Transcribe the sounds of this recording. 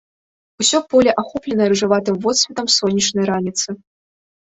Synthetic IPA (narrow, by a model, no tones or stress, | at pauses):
usʲɔpɔlʲɛʔaxɔplʲɛnɐjɐɾɨʐɨvat̪ɨmvɔt̪sʲvʲɛt̪ɐmsɔnʲːɐt͡ʂnɐjɾanʲit̪sɨ